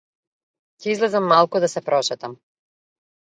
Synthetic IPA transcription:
cɛizlɛzamːalˠkud̪asɛpɾɔʃɛt̪am

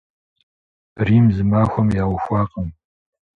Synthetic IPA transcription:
riːmzɨmaːxʷɔmjaːwxʷɑːqʼəm

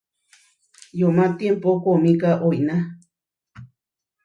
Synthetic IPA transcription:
jomat̪jempokomikaʔojna

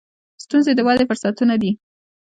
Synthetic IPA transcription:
st̪unzed̪əwɑd̪efʊɾsat̪unad̪i

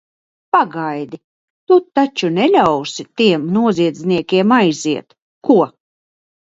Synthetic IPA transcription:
paɡajd̪i | t̪ut̪ːat͡ʃunɛlʲawsit̪iɛmnuɔziɛd̪zʲniɛkʲiɛmajziɛt̪ | kuɔ

